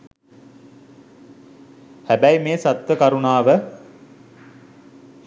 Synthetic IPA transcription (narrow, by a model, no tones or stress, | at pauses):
hæbæjmeːsat̪ʋəkaɾunaːʋə